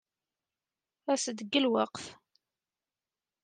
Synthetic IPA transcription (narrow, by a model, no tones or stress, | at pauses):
æsəd̪əɡːəlwɑqf